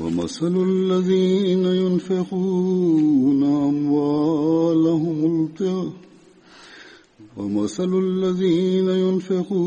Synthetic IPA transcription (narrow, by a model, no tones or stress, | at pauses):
wɐ̰ma̰sallːaðiːnajʊnfɪquː | naʔamwaːlaɦʊmʊlt̪ɪ | wɐ̰masallːaðiːnajʊnfɪquː